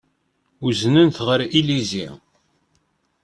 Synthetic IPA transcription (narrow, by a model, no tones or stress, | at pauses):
uznənθʁəɾilizi